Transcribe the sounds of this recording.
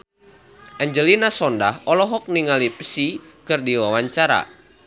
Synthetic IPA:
ʔɛɲd͡ʒəlinasɔnda̰hɔlɔɦɔk̚niŋalipəsi | kɨrdiwawaɲt͡ʃaɾa̰

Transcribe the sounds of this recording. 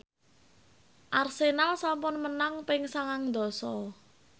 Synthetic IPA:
ʔarsenalsampʊnmənaŋpɪŋsaŋaŋd̪ɔ̤sɔ

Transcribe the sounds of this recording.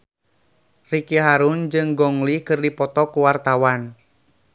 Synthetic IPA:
rikiɦaɾund͡ʒɨŋɡɔŋlikɨrdipɔt̪ɔkuwart̪awan

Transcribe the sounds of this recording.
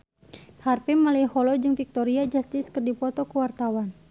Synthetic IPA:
harpɛmalɛhɔlɔd͡ʒɨŋfik̚t̪ɔɾiad͡ʒast̪ɪskɨrdipɔt̪ɔkəwart̪awan

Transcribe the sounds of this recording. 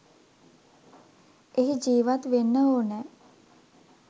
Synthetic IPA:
eɦid͡ʒiːʋat̪ʋenːəoːnɛ

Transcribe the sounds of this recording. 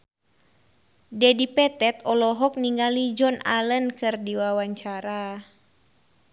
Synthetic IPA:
dɛdipɛt̪ɛt̪ɔlɔɦɔk̚niŋɡalid͡ʒɔnalənkɨrdiwawaɲt͡ʃaɾa

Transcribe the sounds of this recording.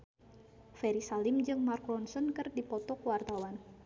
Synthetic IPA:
fɛɾisalɪmd͡ʒɨŋmarklɔnsɔnkɨrdipɔt̪ɔkəwart̪awan

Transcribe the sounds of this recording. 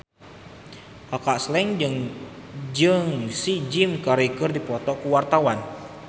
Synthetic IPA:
akaʔslɛŋd͡ʒɨŋ | d͡ʒəŋsid͡ʒimkaɾikərdipɔt̪ɔkuwart̪awan

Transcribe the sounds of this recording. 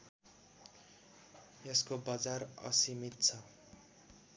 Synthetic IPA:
jeskobad͡zarʌ̰simit̪̚t͡sʰʌ

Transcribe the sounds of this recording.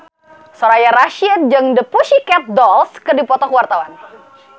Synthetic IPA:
sɔɾajaɾaʃiət̪̚d͡ʒəŋdəpuʃikɛt̪̚dɔlskədipɔt̪ɔkəwart̪awan

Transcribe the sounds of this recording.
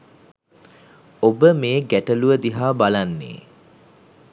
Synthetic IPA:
obəmeːɡæʈəluʋəd̪iɦaːbalanːḛː

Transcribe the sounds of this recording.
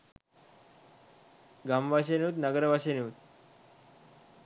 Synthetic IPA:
ɡamʋʱaɕ̬eniut̪nəɡəɾʋʱaɕeniut̪̚

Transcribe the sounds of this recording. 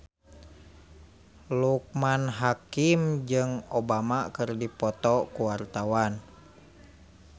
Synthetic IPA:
luk̚manɦakimd͡ʒɨŋobamakɨrdipɔt̪ɔkuwart̪awan

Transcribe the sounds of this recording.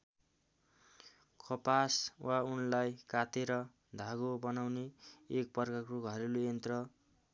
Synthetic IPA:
kʰʌpaswʔaunlajkat̪eɾʌ | d̪ʱaɡobʌnawneːk̚pʌrkarkuɡʱʌɾilujent̪rʌ

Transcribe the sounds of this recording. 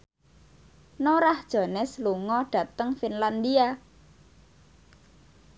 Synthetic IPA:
noɾahd̥ʒ̥ɔ̤nɛsluŋɔɖ̥ä̤t̪əŋfinland̪ia

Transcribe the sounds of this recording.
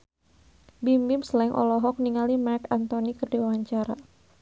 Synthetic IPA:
bimbɪmslɛŋʔɔ̰lɔɦɔk̚niŋalimarkant̪ɔnikərdiwawaɲt͡ʃaɾa

